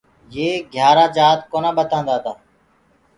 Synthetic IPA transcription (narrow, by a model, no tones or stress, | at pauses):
jeːɡʱjaːɾãːd͡ʒaːt̪̚koːnãːɓət̪ãːnd̪aːt̪aː